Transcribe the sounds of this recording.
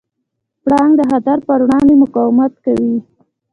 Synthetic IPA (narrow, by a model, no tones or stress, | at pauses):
pɽɑŋɡd̪əɦad̪aɾpəɾwɽɑnd̪emʊkɑwɪmat̪kawi